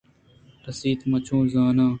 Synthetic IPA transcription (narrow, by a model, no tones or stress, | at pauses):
ɾɐsiːt̪mɐt͡ɕʰõːzaːnãː